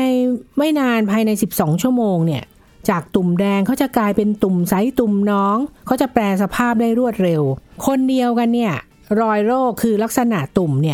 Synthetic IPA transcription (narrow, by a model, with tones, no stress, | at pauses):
na˧jma˥˩jnaː˧npʰaː˧jna˧jsi˨˩p̚sɔː˩˦ŋt͡ɕʰu˥˩əmoː˧ŋni˥˩ɐ | t͡ɕaː˨˩k̚t̪u˨˩mdɛː˧ŋkʰa˦˥wt͡ɕa˨˩klaː˧jpe˧nt̪u˨˩msa˨˦˥jt̪u˨˩mnɔː˦˥ŋkʰa˦˥wt͡ɕa˨˩plɛː˧sa˧pʰaː˥˩p̚daː˥˩jɾu˥˩ət̪̚ɾe˧wkʰo˧ndi˧əwka˧nːi˥˩ɐ | ɾɔː˧jɾoː˥˩kʰːɯː˧la˦˥k̚sa˧na˨˩ʔt̪u˨˩mni˦˥˩ə